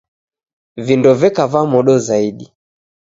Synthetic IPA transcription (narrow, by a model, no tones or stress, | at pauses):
vindɔvɛkavamɔɗɔzaiɗi